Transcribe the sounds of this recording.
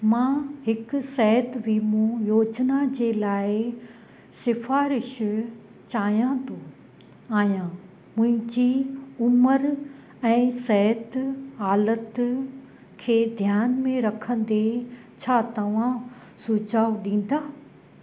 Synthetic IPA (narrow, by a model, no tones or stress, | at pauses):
mãɦɪksɛɦət̪bimũjoːd͡ʑnad͡ʑeːlaːɪ | sɪfaːɾɪʃ | t͡ɕaːɦijãt̪ʰo | aːijã | mʊ̃ɦɪ̃ɲd͡ʑiʊməɾ | ɛ̃ːsɛɦət̪ɦaːlət̪ | kʰeːd̪ʱjaːnmẽɾɐkʰə̃n̆d̪e | t͡ɕʰaːt̪ɐʋ̤ã | sud͡ʑaːʊɗĩːn̆d̪aː